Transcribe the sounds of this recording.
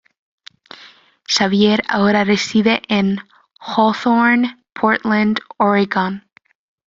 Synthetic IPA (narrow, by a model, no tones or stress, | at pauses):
ʃavjeɾa̰oɾaresiðeʔẽn | hɔlˠθɔɹn | pʰɔɹtlãndɔɹɪɡɑ̃n